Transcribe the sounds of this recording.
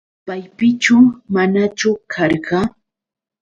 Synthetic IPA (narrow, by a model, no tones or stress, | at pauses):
pajpɪt͡ʃʊmanat͡ʃʊkʰɑɾɢɑ